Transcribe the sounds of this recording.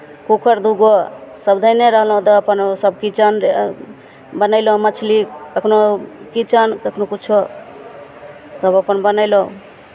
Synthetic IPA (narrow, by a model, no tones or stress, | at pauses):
kukʰəɾd̪uɡosəbd̪ʱəjneɾəɦlɦũt̪əːpənsəb̚kit͡ʃən | bənəɪlõmət͡ʃʰlikəkʰnokit͡ʃənkəkʰnokut͡ʃʰo | səbəpənbənəɪlõ